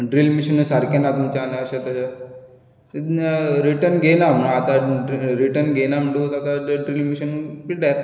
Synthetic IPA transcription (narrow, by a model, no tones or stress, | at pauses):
ɖɾilmiɕənusaɾkenat̪umt͡ɕaanaəɕat̪əɕa | ɾiʈəɾnɡenam̤əɳaːt̪aɾiʈəɾnɡenam̤əɳʈut̪at̪aɖɾiːlmiɕənpiɖat̪